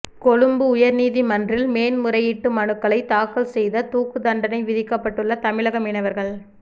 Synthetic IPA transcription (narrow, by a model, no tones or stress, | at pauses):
kɔɻɯmbɯʊjɐɾniːðimɐndrɪlmeːnmʊɾɐjɪʈːɯmɐnɯkːɐɭɐɪt̪aːkɐɭsɛjðɐt̪uːkɯd̪ɐɳɖɐnɐɪʋɪðɪkːɐpːɐʈːɯɭːɐt̪ɐmɪɭɐɣɐmɪɳɐʋɐɾɣɐɭ